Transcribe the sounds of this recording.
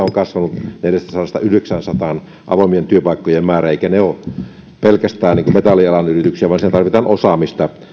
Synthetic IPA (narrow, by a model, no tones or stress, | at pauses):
oŋkɑsʋɑnut̪neljæst̪æsɑlɑst̪ɑ̰yhdeksænsɑt̪ɑn | ʔɑ̰ʋomient̪yøpɑˑikːojemmæːræeˑikæneo | pelkæst̪æːniːŋkumet̪ɑlːˑiɑlɑnyrit̪yksiæʋɑnsit̪æt̪ɑrʋit̪ɑnosɑmist̪ɑ